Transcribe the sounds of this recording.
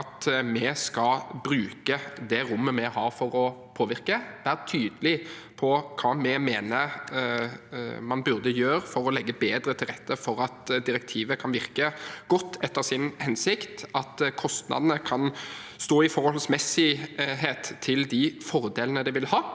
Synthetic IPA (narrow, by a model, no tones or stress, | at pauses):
ɑt̪mɛskɑbɾʉːkəd̪ɛɾʊmːəmɛhɑːɾfɔɾɔpʰoːʋɪɾkəbæːɾt̪ʰyːd̪əlɪ | pʰɔkʰɑːmɛmeːnəɾ | mɑnbʉʁd̪əjøːɾfɔɾɔlɛɡːəbeːd̪ɾət̪ʰɪlʁɛt̪ːəfɔɾɑt̪d̪ɪɾɛk̚t̪ʰiːʋəkʰɑnʋɪɾkəɡ̥ɔt̪ːɛt̪ːəʁsɪnhɛnsɪkt̪ɑt̪kʰɔst̪nɑ̰d̪ənəkʰɑnst̪oːɪfɔʁhɔlsmɛsɪɦeːt̪ʰːɪld̪ɪfɔɾd̪eːlənəd̪ɛʋɪlhɑː